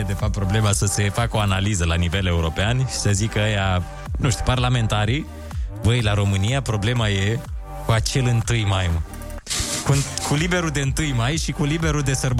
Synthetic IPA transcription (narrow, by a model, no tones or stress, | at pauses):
ed̪e̞fap̚t̪pɾoble̞masəse̞fakəo̞analizəlanive̞le̞uɾo̞peanʃi̥səzikəəja | nuʃt̪i̥parlame̞nt̪aɾi | vəjlaɾo̞mɨnijapɾo̞ble̞maje̞ | kuat͡ʃe̞lɨnt̪ɨjmajm | kukulibe̞ɾuld̪e̞ɨnt̪ɨjmajʃikulibeɾuld̪e̞sərb